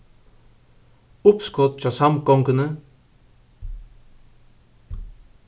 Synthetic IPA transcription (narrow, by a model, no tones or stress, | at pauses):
upskʰot̪̚t͡ʃasamkoŋkɯnɯ